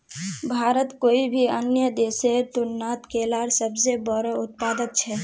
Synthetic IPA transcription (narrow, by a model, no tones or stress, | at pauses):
bʱaːɾət̪koːibʱiənjəd̪eːset̪ʊnːaːt̪kʰeːlaːɾsəbsebəɾəʊt̪̚paːd̪ət̪t͡ʃʰɛː